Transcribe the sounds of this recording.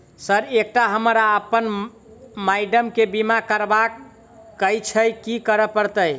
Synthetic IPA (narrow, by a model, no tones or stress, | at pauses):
səɾek̚ʈaɦəmɾaəpən | majɖəmkebimakəɾbakː | əjt͡ʃʰəjkikəɾəpəɾt̪əj